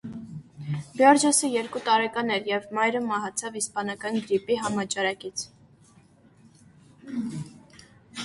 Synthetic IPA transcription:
bjɔɾd͡ʒɔsəjɛɾkut̪ɑɾɛkɑnɛɾjɛvmɑjɾəmɑɦɑt͡sʰɑvispɑnɑkɑnɡɾipiɦɑmɑt͡ʃɑɾɑkit͡sʰ

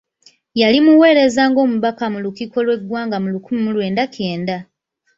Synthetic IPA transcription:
jalimuwe̞ːɾe̞zaːŋɡo̞ːmuβakamulukiko̞lwe̞ɡwaːŋɡamulukumimulwe̞ːndakʰe̞ːnda

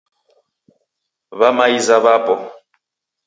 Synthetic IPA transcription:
βamaizaβapʼɔ

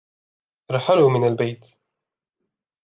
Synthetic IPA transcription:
ʔɑɾˤħalumɪnalbajt̪

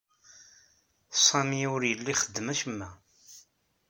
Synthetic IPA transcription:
sˤɑmiʊɾjəlːiχəd̪ːəmæʃəmːæ

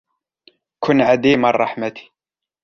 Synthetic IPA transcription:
kʰʊnʕad̪iːmɑrˤːɑħmat̪i̥

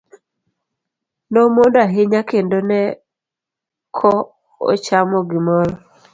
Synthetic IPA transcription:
nomondoaɦɪɲakendonɛ | kʰɔ | ɔ̰t͡ʃamɔɡɪmɔɾɔ

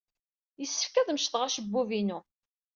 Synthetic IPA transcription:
jəsːə̥fkæðmʃtθʁæʃəbːuvinu

